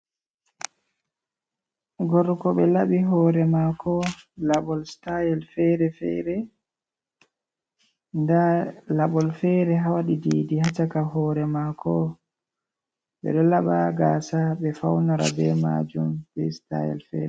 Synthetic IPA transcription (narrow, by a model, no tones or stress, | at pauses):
ɡɔɾkɔɓɛlaɓiɦɔːɾɛmakɔlaɓɔlstajɛlfɛɾɛfɛ̰ɾɛ | ndalaɓɔlfɛɾɛɦawaɗidiːdihat͡ʃakahɔːɾɛmakʰɔ | ɓɛ̰ɗɔlaɓaɡaːsaɓɛfawnaɾa̰bɛma̰d͡ʒumbɛ̰sta̰jɛ̰lfɛ̰ɾɛ